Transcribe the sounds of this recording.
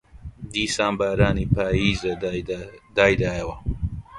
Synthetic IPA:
d̪iːsaːmbaɾaːniːpaːjiːzɐ | d̪aːjd̪aːjɐwɐ

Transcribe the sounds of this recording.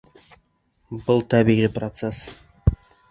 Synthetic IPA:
bʊlˠt̪ʰæbijʁijprot̪ses

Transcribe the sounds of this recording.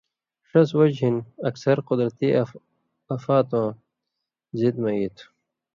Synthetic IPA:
ʂɐswɐd͡ʑɦinɐksɐɾqʊd̪ɾɐt̪i | ɐfaːt̪õː | zid̪mɐit̪ʰ

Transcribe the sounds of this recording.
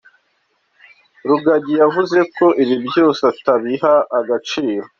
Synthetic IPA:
ɾuɡaɟijavuze̞ko̞ʔiβibjo̞ːsataβiɦaːɡat͡ʃiːɾo̞

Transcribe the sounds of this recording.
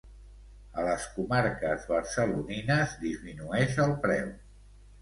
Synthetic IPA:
ələskumaɾkəzβəɾsəluninəzd̪izminuɛʃəlˠpɾɛw

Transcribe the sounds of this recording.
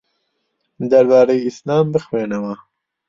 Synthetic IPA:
d̪ɐɾbɑːɾejiislɑːmbɨxweːnɛwa

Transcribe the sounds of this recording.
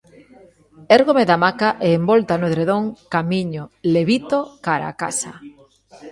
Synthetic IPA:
eɾɣomeðamakaʔeːmbolt̪anoðɾeðoŋkamiɲoleβit̪okaɾa̰ka̰sa̰

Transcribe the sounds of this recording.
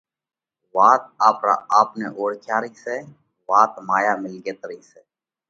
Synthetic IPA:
ʋaːt̪̚aːpɾa̰ːaːpnḛːʔoːɽkʰjaːɾiːseː | ʋaːt̪maːjaːmɪlɡeːt̪ɾiːseː

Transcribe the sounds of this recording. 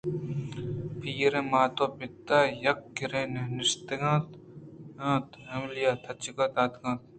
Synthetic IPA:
pʰiːɾẽmaːt̪oːpɪt̪ːaːjɐkːiɾẽːnenɪʃt̪eɡãːt̪ | ãːt̪ɐmlijaːt̪ʰɐt͡ʃikɐt̪aːt̪ɡãːt̪̚

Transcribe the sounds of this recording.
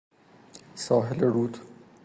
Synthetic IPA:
sɔːɦɪleɾuːt̪ʰ

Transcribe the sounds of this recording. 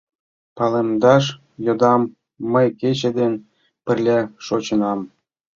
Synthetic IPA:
pɑlemd̪ɑʃ | jod̪ɑmː | əjket͡ɕĕd̪enʲ | pə̆rlʲæʃot͡ɕə̆nɑm

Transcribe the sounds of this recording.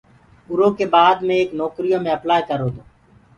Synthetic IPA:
ʊɾoːkeːbaːd̪mẽːeːknɔːkɾijõːmẽːəplaːjkəɾoːt̪oː

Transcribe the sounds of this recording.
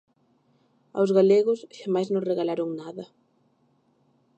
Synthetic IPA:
a̰wzɣaleɣʊsʃamajznõŋreɣalaɾoŋnaðɐ

